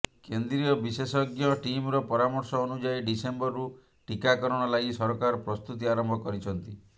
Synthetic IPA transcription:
kend̪ɾiɔbisesɔɡjɔʈimɾɔpɔɾamɔɾsɔːnud͡ʒajɖisembɔɾːu | ʈikakɔɾɔɽ̃ɔlaɡisɔɾɔkaɾɔpɾɔst̪ut̪iaɾɔmbʱɔkɔɾit͡ʃʰɔnt̪i

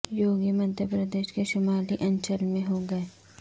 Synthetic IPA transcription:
joːɡəmə̃nt̪jəpɾəd̪eːʃkeʃʊmaːliʔɐ̃ɲt͡ʃəlmẽɦoɡɐeː

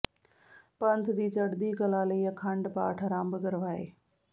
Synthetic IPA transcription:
pɐnt̪ʰd̪iːt͡ʃɐɽd̪iːkɐlaːliːjɐkʰə̃ɳɖpaːʈʰəɾãːmbəɡəɾʋaːḛː

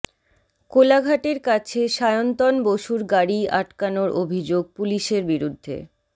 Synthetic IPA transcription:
kolaɡʱaʈeɾkat͡ɕʰeʃajont̪ɔnboʃuɾɡaɽia̰ʈkanoɾʔobʱid͡ʑoɡ̚puliʃeɾbiɾud̪ʱːḛ

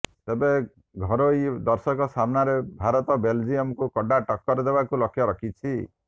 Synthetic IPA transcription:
t̪ebe | ɡʱɔɾoid̪ɔɾsɔkɔsamnaɾebʱaɾɔt̪ɔbeld͡ʒiɔmkukɔɖaʈɔkːɔɾd̪ebakulɔkʰjɔɾɔkʰit͡ʃʰi

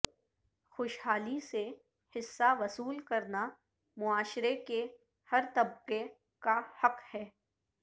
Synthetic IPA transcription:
xoːʃɦaːlise | hɪsːaʋɐsuːlkɐɾna | mʊaːʃɾeke | hɐɾt̪ɐb̚qe | kahɐqhɛː

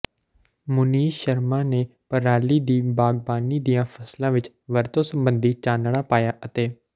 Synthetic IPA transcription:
mʊniːʃəɾmãːneːpəɾaːliːd̪iːbaːɡ̚baːniːd̪ijãːpʰəslãːʋɪt͡ʃ | ʋəɾt̪õːsəmbənd̪iːt͡ʃaːnɽaːpaːjaːʔət̪eː

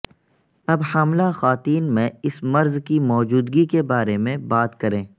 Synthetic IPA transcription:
ɐbhaːmlaxaːt̪iːnmẽɪsmɐɾzkimɔːd͡ʒuːd̪ɡikebaːɾemẽbaːt̪kɐɾẽː

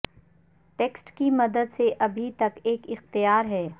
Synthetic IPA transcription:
ʈeːksʈkimɐd̪əd̪seʔɐbʱit̪ɐkeːkɪxt̪ɪjaːɾɦɛː

